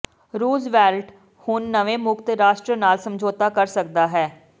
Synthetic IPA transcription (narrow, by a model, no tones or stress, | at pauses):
ɾuːzʋɛːlʈ | hʊnːəʋeːmʊkt̪ɾaːʃʈɾənaːlsəmd͡ʒʱoːt̪aːkəɾsəkd̪aːɦɛː